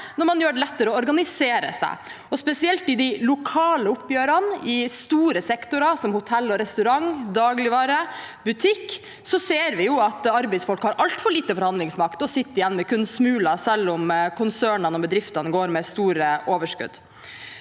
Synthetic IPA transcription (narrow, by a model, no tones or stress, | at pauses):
nɔɾmɑnjøːɖɛlɛt̪ːəɾəɔɔɾɡɑnɪseːɾə̰sæ̰ɪ | ɔspɛsɪɛlt̪ɪd̪ɪlʊkʰɑːləʊpːjøːɾɑnɪst̪uːɾəsɛkt̪ʊɾɑsɔmhʊt̪ʰɛlːɔɾɛst̪ʉɾɑŋd̪ɑːɡlɪʋɑːɾəbʉt̪ʰɪkː | sɔseːɾʋɪjʊɑt̪ɑɾbɛɪsfɔlkhɑɾʔɑlt̪fɔɾɭliːt̪əfɔɾhɑnd̪lɪŋsmɑkt̪ɔsɪt̪ːəɪjɛnːəmɛkʰʉnsmʉːlɑsɛlːʊmkʰʊnsøːɳɑnɔbəd̪ɾɪft̪ɑnəɡoːɾmɛst̪uːɾəʔoːʋəʂkʉ̰d̪ː